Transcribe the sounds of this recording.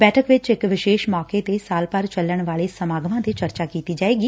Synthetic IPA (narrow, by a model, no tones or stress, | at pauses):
bɛːʈʰəkʋɪt͡ʃɪkʋɪʃeːʃmɔːkeːt̪eːsaːlpəɾt͡ʃəlːəɳʋaːɭeːsəmaːɡʋãːt̪eːt͡ʃəɾt͡ʃaːkiːt̪iːd͡ʒaːeːɡiː